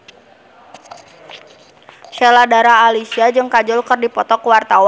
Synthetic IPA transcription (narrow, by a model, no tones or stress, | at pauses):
ʃɛladaɾaːlisiad͡ʒɨŋkad͡ʒɔlkɨrdipɔt̪ɔkuwart̪aw